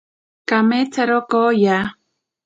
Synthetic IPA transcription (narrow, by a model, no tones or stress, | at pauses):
kamet͡saɾokoja